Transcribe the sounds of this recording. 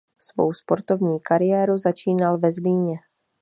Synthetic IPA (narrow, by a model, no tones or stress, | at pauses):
svo̰wspo̞ɾt̪o̞vɲiːkaɾɪjɛːɾuzat͡ʃiːnalvɛzliːɲɛ